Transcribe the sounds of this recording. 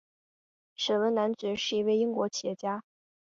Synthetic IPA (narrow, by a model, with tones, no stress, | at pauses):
ʂə˨˩wə˧˥na˧˥nt͡s̩˨˥ʂɻ̩˥˩i˧˥we˥˩ɪi˥ŋkwɔ˧˥t͡ɕʰjɛ˧˥t͡ɕja˥